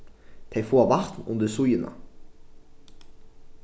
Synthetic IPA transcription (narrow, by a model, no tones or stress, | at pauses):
t̪ʰejfoːvaɾt̪nʊ̰nd̪əsujɪna̰